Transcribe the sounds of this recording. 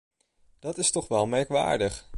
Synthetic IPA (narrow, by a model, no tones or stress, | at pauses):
d̥ɑtɪstɔχʋɛlˠmɛɹkʋa̰ːɹdəχ